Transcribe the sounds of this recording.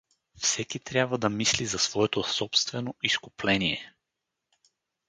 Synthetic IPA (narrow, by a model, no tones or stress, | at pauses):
fsɛkit̪ɾʲjabvəd̪ɐmislizɐsvɔɛt̪osɔpst̪vɛnoʔiskʊplɛniɛ